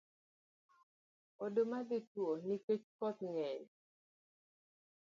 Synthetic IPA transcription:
odomaditwoniket͡ʃkɔt̪ŋɛl

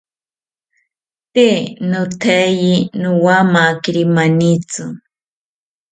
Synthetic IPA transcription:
t̪enʊt̪ʰajinʊwamakɾimanit͡sʊ

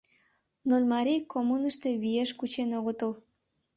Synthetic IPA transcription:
nolʲmɑɾʲijkomunəʃt̪e̽βijeʃkut͡ɕenoɣət̪əl

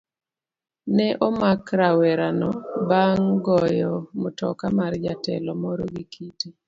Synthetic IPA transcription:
nɛʔɔmakɾawɛɾanɔbaŋɡɔjɔmotɔ̰kamaɾd͡ʒatɛ̰lɔmɔɾɔɡikʰiti

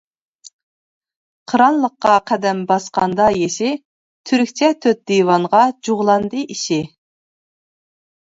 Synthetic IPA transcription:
qʰəɾɑnlˠəqːɑqʰæd̪ɛmbɑsqɑnd̪ɑjeʃɪ | t̪ʰyɾkʲt͡ʃʰɛt̪ʰøt̪̚d̪ijwɑɴʁɑd͡ʒuʁlˠɑnd̪ɨiʃi

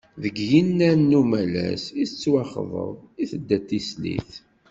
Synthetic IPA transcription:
ðəɡjinːænːumælæ̰siθət͡sːwɑχðˤə̰ðˤiθəd̪ːæt̪ːislḭθ

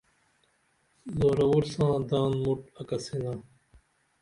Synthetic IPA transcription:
zoːɾɐwuɾsãːd̪ãːnmuʈɐkɐsinãː

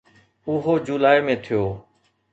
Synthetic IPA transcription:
ʊɦoːd͡ʑuːlaːimẽːt̪ʰɪjoː

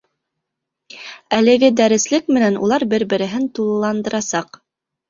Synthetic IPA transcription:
ælɘ̆ɡɘd̪æɾɘ̆slɘkmɘ̆nænṵlˠɑɾbɘɾbɘ̆ɾɘ̆ɦɘnt̪ulˠɤlˠɑnd̪ɤ̆ɾɑsɑq

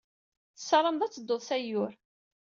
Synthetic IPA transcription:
θə̥sːɑɾˤəmd̪æt͡sːəd̪ːoðˤsæjʊɾ

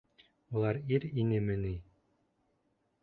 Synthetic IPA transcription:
ulˠɑɾiɾinɘmɘ̆ni

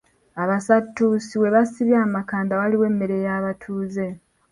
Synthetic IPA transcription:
aβasatːusiwe̞βasiβjaːmakaːndawaliwe̞mːe̞ɾe̞jaβatʰuːze̞

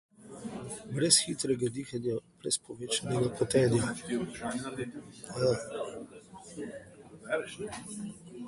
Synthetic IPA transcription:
bɾɛsxit̪ɾɛɡad̪ixanjab̥ɾɛ̰spɔʋeːt͡ʃanɛɡapɔt̪ɛːd̪ijaid̪ʒanɛnad̪eja | aɛ

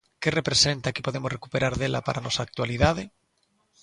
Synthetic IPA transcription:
kerepɾesent̪ake̥poð̞emosrekupeɾaɾðela̰paɾʔanɔsaːk̚t̪waliðað̞e

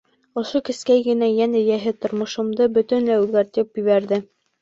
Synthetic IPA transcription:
ŏʃokɘ̆skæjɡɘ̆næjænæjæɦɘt̪ŏɾmŏʃɤ̆md̪ɤbɵt̪ɘnlæʉðɡæɾt̪ɘpjɵ̆βæɾðɘ

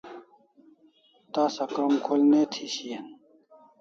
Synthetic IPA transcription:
t̪aːsɐkɾɐmkʰolnet̪ʰiɕijɐn

